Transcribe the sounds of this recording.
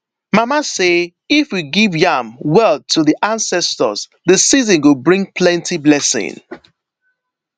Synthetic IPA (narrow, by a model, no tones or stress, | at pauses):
mamase | ifwiɡivjamwɛtʰuðiʔãnsɛstə̰z̥ðəsizə̃nwɪlbɹĩŋpʰlɛ̃ntiblɛsɪ̰̃ŋ